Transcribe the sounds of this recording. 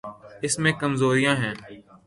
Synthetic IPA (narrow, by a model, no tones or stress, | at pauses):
ɪsmẽkəmzoːɾijãːɦɛ̃ː